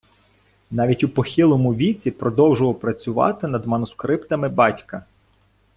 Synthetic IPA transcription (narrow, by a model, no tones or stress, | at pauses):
nɑʋʲitʲupɔxʲilˠɔmʊʋʲit͡sʲipɾɔd̪ɔwʒʊʋɔpɾɐt͡sʲʊʋɑ̰t̪ɪnɐd̪mɐnʊskɾɪpt̪ɐmɪbɑtʲkɐ